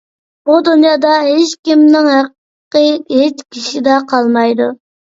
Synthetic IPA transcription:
bud̪unjɑːd̪ɑɦet͡ʃkʲimnɪŋɦæq | qəet͡ʃkʲʰiʃid̪ɑqʰɑlˠmɑjd̪u

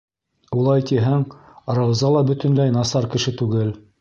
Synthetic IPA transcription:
ulˠɑjt̪iɦæŋ | ɾɑwzɑlˠɑbɵ̆t̪ɘ̆nlæjnɑsɑɾkɘ̆ʃɘt̪ʉɡɘl

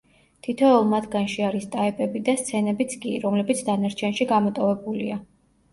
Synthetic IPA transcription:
t̪ʰit̪ʰɛɔlˠmat̪ʰɡanʃiaɾist̪ʼaɛpʼɛbid̪ast̪sʰɛnɛbit̪sʰkʼiɾɔmlɛbit̪sʰd̪anaɾt͡ʃʰɛnʃiɡamɔt̪ʼɔvɛbulia

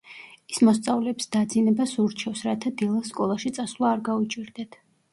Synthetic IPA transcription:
ismɔst̪sʼavlɛːpsd̪̥ad̪zinɛbasuɾt͡ʃʰɛfsɾat̪ʰad̪ilˠasːkʼɔlˠaʃit̪sʼasvlˠaːɾɡaut͡ʃʼiɾd̪ɛt̪ʰ

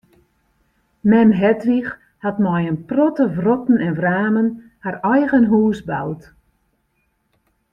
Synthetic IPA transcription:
mɛmɦɛtrix | hatmɔjənprɔtəvrɔtn̩ɛnvraːmən | harɛjɣənɦuːsbawt

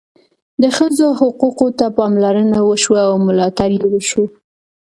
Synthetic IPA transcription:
d̪əxəzohʊquqot̪apɑmlaɾənawəʃwaawmʊlɑt̪aɾjewəʃo

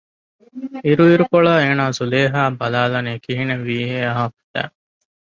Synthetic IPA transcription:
iɾuiɾukoɭaːeːnaːzuleːɦaːbɐlaːlɐniːkiɦineʋiːɦeːɐɦɐfi̥t̪æ̰ː

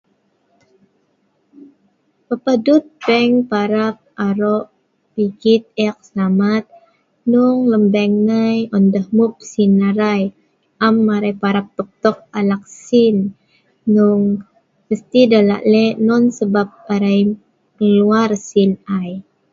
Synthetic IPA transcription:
pəpadut̪̚bɛŋpaɾap̚aɾɔʔ | piɡit̪̚ɛk̚səlamat̪̚ | nuŋləmbɛŋnəjɔndəhmup̚sinːaɾaj | ʔamːaɾajpaɾap̚t̪ɔk̚t̪ɔk̚alak̚sinː | uŋ | məst̪idala̰ʔlɛʔnɔnsəbap̚aɾaj | məluarsinaj

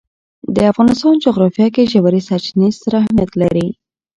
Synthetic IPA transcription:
d̪əafɣɑnɪst̪ɑnd͡ʒʊɣɾɑfjɑkeʒawaɾisaɾt͡ʃnizaɾahmijat̪laɾi

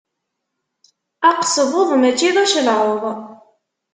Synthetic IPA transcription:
æqsəvˤoðˤmæt͡ʃːiðˤæʃəlʁoðˤ

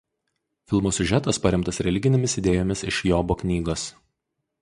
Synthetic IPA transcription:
fʲɪlˠmoːsʲʊʒʲæt̪ɐspɐɾʲɪmt̪ɐsɾʲɛlʲɪɡʲɪnʲemʲɪsɪd̪ʲeːjoːmʲɪsɪʃjoːboknʲiːɡoːs

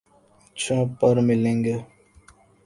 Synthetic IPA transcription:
t͡ʃʰõːpəɾmɪlẽŋɡe

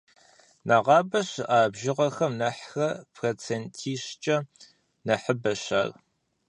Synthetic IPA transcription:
nʔɐʁɑːbɐɕaːbʒɪʁɐxɐmnɐħxɐpʰroːt͡sʰeːntʰiːɕt͡ʃʼɐ | nɐħəbɐɕaːr

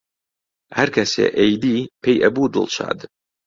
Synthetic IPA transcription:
hɐɾkʰɐsḛːʔejd̪iːpʰejʔɐbud̪ɨ̰lˠʃa̰ːd̪

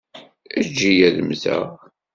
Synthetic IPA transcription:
æd͡ʒːijæðəmθæ̰ʁ

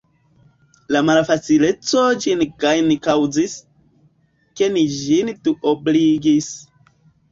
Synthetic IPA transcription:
lamalfat͡sile̞t͡so̞d͡ʒinkajnkawzis | ke̞nid͡ʒintuobliɡis

